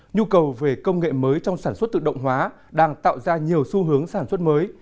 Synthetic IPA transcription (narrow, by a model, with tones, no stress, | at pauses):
ɲu˧kə˨˩wve˨˩kə˧wŋ͡mŋḛ˧˨məː˨˦jt͡ɕɔ˧wŋ͡msaː˧˩nswə˦˥t̪̚ɨ̰˧˨ɗə̰˧˨wŋ͡mɦwaː˨˦ | ɗaː˧ŋt̪a̰ː˧˨wzaː˧ɲi˨˩əwsu˧ɦɨ˨˦əŋsaː˧˩nswə˦˥t̚məː˨˦j